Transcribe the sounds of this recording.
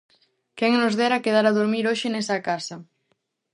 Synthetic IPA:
kɛŋnʊzðɛɾakeð̞aɾaðoɾmiɾoʃɪnɛsɐkasɐ

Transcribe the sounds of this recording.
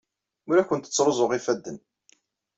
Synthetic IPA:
ʊɾækʷːənt̪ə̥t͡sːɾˤozˤoʁifæd̪ːən

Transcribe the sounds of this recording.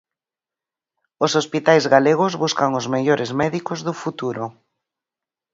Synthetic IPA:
osospit̪ajzɣaleɣ̞ʊzβuskaŋozmeʎoɾʔɪzmɛðikozðʊfut̪uɾʊ

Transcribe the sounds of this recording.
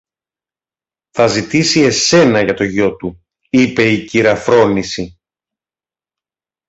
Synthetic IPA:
θɐzit̪isie̞se̞nɐʝɐt̪o̞ʝo̞t̪u | ipe̞iciɾɐfɾo̞nisi

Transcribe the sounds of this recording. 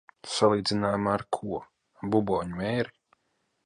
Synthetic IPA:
salˠiːd̪zʲinaːjmaːɾkʰuɔ | bubɔːɲmɛːɾi

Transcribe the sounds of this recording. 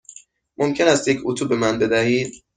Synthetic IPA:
mʔomcʲʰe̞næst̪jecʰut̪ʰube̞mænbe̞d̪æhiːd̪̥

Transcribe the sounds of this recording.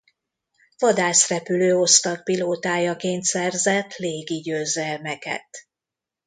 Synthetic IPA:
vɒd̪aːsrɛpyløːo̞st̪ɒk̚piloːt̪aːjɒkeːnt̪sɛrzɛt̪leːɡiɟøːzɛlmɛkɛ̰t̪

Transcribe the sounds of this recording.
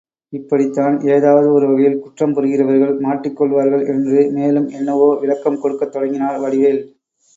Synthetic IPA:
ɪpːɐɽɪt̪ːaːneːðaːʋɐðɯɔɾɯʋɐɣɐjɪlkʊʈrɐmpɔɾɯɣɪrɐʋɐɾɣɐɭmaːʈrɪkːɔɭʋaːɾɣɐɭʔɛndrɯmeːlɯmɛnːɐʋoːʋɪɭɐkːɐmkɔɽɯkːɐt̪ːɔɽɐŋɡɪnaːɾʋɐɽɪʋeːl

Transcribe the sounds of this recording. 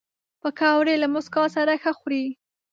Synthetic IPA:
pəkɑwɾelamʊskɑsaɾaxəxɾi

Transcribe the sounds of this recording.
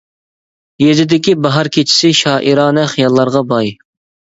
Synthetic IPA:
jezɪd̪ɪkʲibɑɦɑɾkʲʰet͡ʃʰi̥sɪʃɑːʔiɾɑːnɛχjɑlˠːɑɾʁɑbɑj

